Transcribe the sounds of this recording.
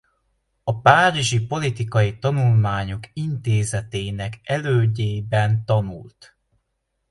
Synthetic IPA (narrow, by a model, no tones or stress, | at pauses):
ɒpaːɾiʒipo̞lit̪ikɒjit̪ɒnulmaːɲo̞kint̪eːzɛt̪eːnɛkɛløːɟeːbɛnt̪ɒnult̪